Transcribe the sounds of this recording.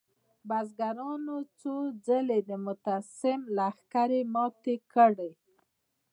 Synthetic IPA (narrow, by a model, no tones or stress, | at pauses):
bazɡaɾɑnot͡sod͡zəled̪əmʊt̪asɪmlaxkaɾemɑt̪ekəɽəj